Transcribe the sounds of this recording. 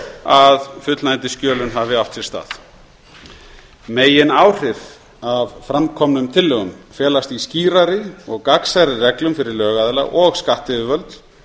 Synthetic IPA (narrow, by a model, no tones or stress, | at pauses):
aðfʏt̪lnajnt̪ɪscœːlʏnɦavɪawft̪sɛɾst̪a̰ːθ | meːjɪnaːwr̥ɪv | avfɾamkʰɔmnʏmt̪ʰɪlːʏɣʏmfjɛːlast̪isciːɾaɾɪɔɣkaksaɾɪrɛklʏmfɪɾɪɾlœːɣaðɛla̰ʔɔɣskaht̪ɪðʏvœlt̪